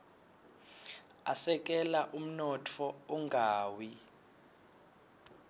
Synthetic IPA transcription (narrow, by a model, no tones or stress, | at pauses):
asɛk̬ʼɛlaʔum̩nɔtʰɔuŋʱaːwi